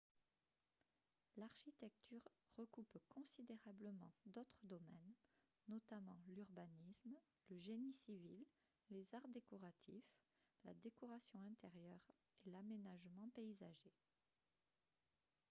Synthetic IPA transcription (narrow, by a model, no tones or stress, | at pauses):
laʁʃit̪ɛk̚t̪yʁ | ʁəkupkɔ̃sid̪eʁabləmɑ̃d̪ot̪χəd̪ɔmɛnː | ɔt̪amɑ̃lyʁbanism | ləʒenisivilː | ezaʁd̪ekɔʁat̪ʰif | la̰d̪ekɔʁasjɔ̃ɛ̃t̪eʁjœʁ | elamenaʒmɑ̃peizaʒe